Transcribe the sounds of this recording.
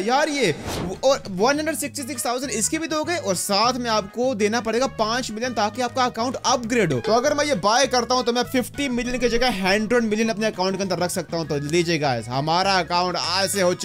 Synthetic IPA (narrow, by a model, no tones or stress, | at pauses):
jaːɾjeːɔːɾʋɐ̃nɦɐ̃ɳɖɾəɖsɪksʈisɪkst̪ʰaːʊzəɳɖɪskibʱit̪oɦoːɡəjɔːɾsaːt̪ʰmẽaːpkod̪eːnapɐɽeːɡapãːt͡ʃmɪlijənt̪aːkeaːp̚kaɐkaːʊ̃ɳʈɐp̚ɡɾeːɖo̰ːt̪oɐɡəɾmɛ̃jebaːjkɐɾt̪aɦũt̪omɛ̃fɪfʈimɪlijənked͡ʒɐɡɛɦɛ̃ːɳɖɾənmɪlijənɐpneɐkaːʊ̃ɳʈkeɐnd̪əɾɐkʰsɐk̚t̪aɦũt̪oliːd͡ʒeːɡasɦɐmaːɾaɐkaːʊ̃ɳʈa̰ːd͡ʒseɦot͡ʃ